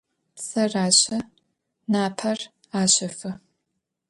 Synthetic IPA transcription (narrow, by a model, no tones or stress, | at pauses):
sɐraːɕɐ | naːpʰɐr | aːɕɐfɨ